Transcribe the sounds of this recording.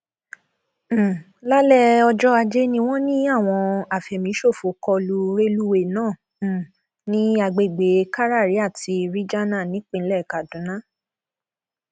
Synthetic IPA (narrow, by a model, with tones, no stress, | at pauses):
la˦lɛ˦˨ɔ˧d͡ʒɔ˦a˧d͡ʒe˦nĩ˧w̃ɔ̃˦nĩ˦a˦˨w̃ɔ̃˧a˨fɛ˨mĩ˨˦ʃo˦˨fo˨˦kɔ˧lu˧ɾe˦lu˦we˦˨nãː˦˨ | nĩ˦a˧ɡ͡be˨ɡ͡be˨˦ka˦ɾa˦˨ɾi˨˦a˦˨ti˧ɾi˦d͡ʒa˦nã˦˨nĩ˨˦k͡pĩ˦˧n̩˦lɛ˦˨ka˨dũ˨˦nã˦˨